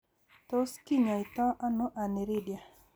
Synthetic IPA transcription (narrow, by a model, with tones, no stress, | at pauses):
t̪o˦ski˦ɲa˨ɪ˨t̪ɔ˦ʔa˦no˦ʔa˨ne˨ɾɪ˦dja˨